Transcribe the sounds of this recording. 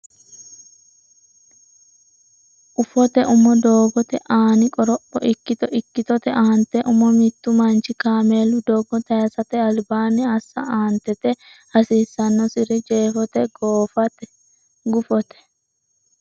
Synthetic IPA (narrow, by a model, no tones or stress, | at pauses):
ʔʊfɔt̪ɛʔʊmɔd̪o̞ːɡɔt̪ɛʔaːnɪkʼɔɾɔʔɔ̰ʔɪkːɪt̪ɔɪkːɪt̪ɔt̪ɛʔaːnt̪ɛʔʊmɔmɪt̪ːʊmɐnt͡ʃɪkaːmeːlʊd̪ɔːɡɔt̪ɐjɐsɐt̪ɛɐlbaːnɪɐsːɐ̰aːnt̪ːɛt̪ɛ | hɐsiːsːɐnːɔsɪɾɛd͡ʒeːfɔt̪ɛɡoːfɐt̪ɛ | ɡʊfɔt̪ɛ̥